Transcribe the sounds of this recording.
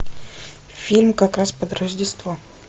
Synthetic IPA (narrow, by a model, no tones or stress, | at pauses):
fʲilʲmkakɾaspəd̪ɾəʐdʲɪst̪vo